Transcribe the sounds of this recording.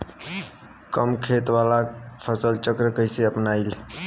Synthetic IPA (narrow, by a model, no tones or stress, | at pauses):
kəmkʰet̪ʋalapʰəsəlt͡ʃəkɾəkəjseəpnail